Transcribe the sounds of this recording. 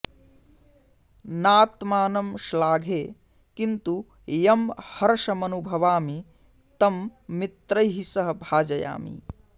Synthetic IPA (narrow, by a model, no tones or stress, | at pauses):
naːt̪maːnɐmʃlaːɡʱeː | kint̪u | jɐmhɐɾɐʃɐmɐnubʱɐʋaːmi | t̪ɐmːit̪ɾɐjɦisɐɦɐbʱaːd͡ʒɐja̰ːmḭ